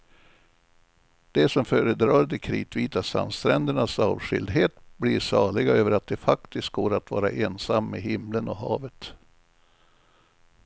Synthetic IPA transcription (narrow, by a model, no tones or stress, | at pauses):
d̪̥ɛsɔmføːɾəd̪ɾɑːɾd̪ɛkʰɾḭːt̪viːt̪asa̰nst̪ɾɛnd̪əɳasɑːvɧɪ̰ld̪ɦeːt̪bliʂɑːɭɪɡaøːvəɾat̪̚d̪ɛfak̚t̪ɪst̪̚ɡoːɾat̪vɑ̰ːɾa̰ʔeːnsamːehɪmlənɔhɑːvət̪